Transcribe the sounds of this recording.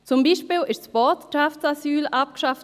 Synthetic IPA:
t͡sʊmbiːʃpiːlɪʃsb̥ɔtʃaft͡sasyːlʔap̚kʃaf

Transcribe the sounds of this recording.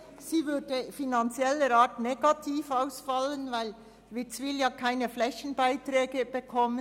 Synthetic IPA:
siːvʏd̥əfinant͡sjɛlːəɾaːtneɡ̥atʰiːfaʊsfɑlənvaɪl | vɪt͡sʋɪljaːkʰaɪnəflɛçən̩baɪtrɛːɡəb̥əkʰɔmə

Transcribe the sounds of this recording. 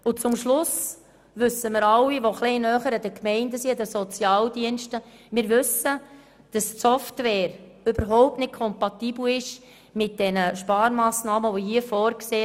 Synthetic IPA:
ʊt͡sʊmʃlʊs | ʋʏsːəmɪːɾɑwiʋoχleɪnœːχəɾədəkmɛɪndəsiədəsɔt͡sjɑːldiənʃtə | mɪːɾʋʏsə | d̥ɑstsɔftʋɛːɾ | øbəɾɦɔʊp̚tnɪt̚kʰɔmpɑtiːbl̩ɪʃ | mɪt̚d̥ɛnəʃpɑːɾmɑːsnɑːməʋohiəfɔːɾkseː

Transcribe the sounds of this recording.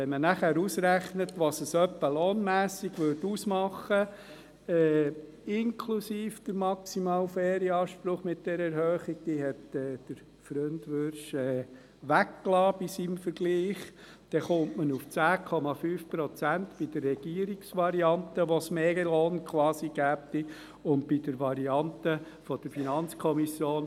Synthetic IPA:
ɛmənæχæːɾusɾæχnətʋɑsəsœpːəloːnmæːsiɡʋʏɾdusmɑχə | ɛː | ɪŋkʰlusiːfd̥əɾmɑksimɑːlfɛːɾiɑːʃpɾʊχmɪt̚d̥ɛɾəɛɾhøːχiɡ̚d̥̪iːɦɛtɛːd̥əɾ | fɾønd̪ʋøɾʃɛː | ʋækːlɑːb̥isimfəɾɡ̥liːχ | d̪̥ɛχʊmʔmənuft͡sæːkʰɔmɑfyːfpɾɔt͡sænt̪b̥id̥̪ərːɛɡ̥iəɾiksʋɑɾiɑnt̪əʋosmɛɡəloːnkχwɑːsiɡ̥æːp̚t̪i | ʊnd̚bidəɾʋɑɾiɑnt̪ə | fɔd̥̪əɾfinɑnt͡skʰɔmisjoːn

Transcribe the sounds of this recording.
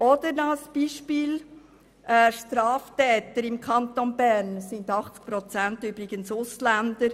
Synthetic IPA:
ɔd̥̪əɾnolsb̥iːʃpiːl | ʔɛʃtɾɑːftɛːt̪əɾɪmkʰɑnt̪onbæɾnsɪnd̪ɑχt͡sk̚pɾɔt͡sæntybɾɪɡ̥ənsʊslænd̪əɾ

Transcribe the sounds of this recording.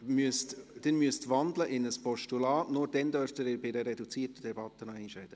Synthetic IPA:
myəstd̥ɛnmyəst̪ʋɑndləʔɪnəspɔʃtulɑːtnʊːɾd̥ɛnd̪œɾftəɾɪːɾbɪdəɾɛdut͡siːtəd̥ɛbɑt̪ːənɔɛnʃɛɪd̥ə

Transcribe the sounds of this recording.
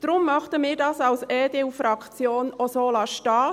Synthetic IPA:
d̥ɾʊmːɑχtəmɪːɾdɑːsɑlsɛːdeufrɾɑkt͡sjoːnɔsoːlɑʃtɑː

